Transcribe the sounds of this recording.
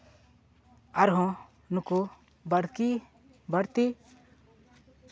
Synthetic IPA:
aɾɦɔ̃ | nuku | bɐɽki | bɐɽt̪i

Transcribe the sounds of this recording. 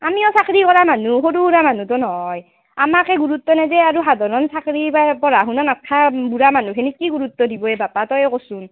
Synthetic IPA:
amiɔsakɹikɔɹamanuxoduɹamanutɔnɔɦɔj | amakɛɡuɹut̪ːɔnɛzɛaɹuɦadʱɔɹɔnsakɹipapɔɹaɦunanatʰːabuɹamanukʰenikːiɡuɹut̪ːɔdibɔɛbapatɔjɔkosun

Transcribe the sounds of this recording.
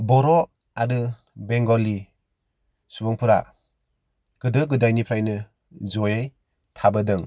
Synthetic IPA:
bɔɾɔ | aɾɯ | beŋɡɔli | subɔŋpʰɯɾa | ɡ̥ɯdɯɡɯdajnipʰɾajnɯ | zɔjaj | tʰabɯdɯŋ

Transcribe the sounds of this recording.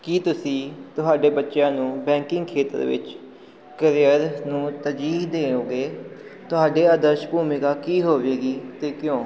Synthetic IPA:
kiːt̪ʊsĩːt̪ʊɦaːɖeːbətːʃjãːnũːbɛ̃ːŋkɪ̃ŋɡkʰeːt̪ə̰ɾʋɪ̰t͡ʃ | kəɾɪjəɾnũːt̪əd͡ʒiːɦd̪eːõːɡeːt̪ʊɦaːɖeːəd̪əɾʃbʱuːmɪkaːkiːɦoːʋeːɡiːt̪eːkɪjõː

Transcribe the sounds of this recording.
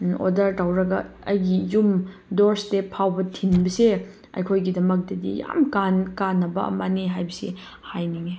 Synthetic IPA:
o̰dɐɾtawɾɐɡɐɐjɡijumdoɾstepʰawbɐtʰinbɐse | ɐ̰jkʰojɡidɐmɐk̚tɐdḭja̰mkankanːɐbɐɐ̰maneɦajbɐsḛ | hajniŋe

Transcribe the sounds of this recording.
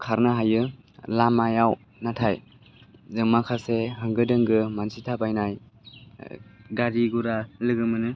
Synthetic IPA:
kʰaɾnaɦajɯ | lamajaw | natʰaj | zɯŋmakʰaseɦɯŋɡɯdɯŋɡɯmansitʰabajnaj | ɡaɾiɡuɾalɯɡɯmɯnɯ

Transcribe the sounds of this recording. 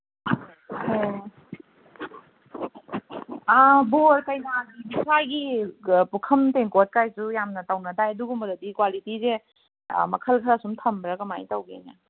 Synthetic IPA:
aboɾkajnaɡibisajɡipukʰɐmteŋkot̚kajsujamnɐtawnɐdajɐduɡɔmɐdɐdikwalitize | mɐkʰəlkʰaɾasumtʰɐmbɾakɐma̰jtawɡḛna̰

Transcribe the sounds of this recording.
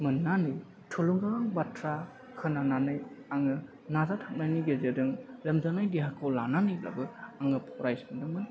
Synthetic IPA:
mɯnːanɯj | tʰuluŋɡaŋbatʰɾa | hʰɯnananɯjaŋɯ | nazatʰak̚naniɡezedɯŋɾemzanajdiɦakʰowlananɯjla̰bɯaŋɯpʰɔɾajsɯndɯmɯn

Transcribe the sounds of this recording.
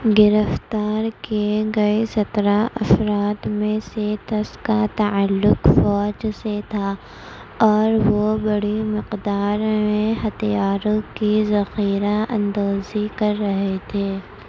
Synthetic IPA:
ɡɪɾəft̪aːɾkeɡɐesɐt̪ɾaɐfɾaːt̪mẽset̪ɐskat̪ɐəlːʊqfɔːd͡ʒset̪ʰa | ɔːɾʋobɐɽimɪqd̪aːɾmẽɦɐt̪ijaːɾõkizɐxiːɾaɐ̰̃nd̪oːzikɐɾːɐɦet̪ʰeː

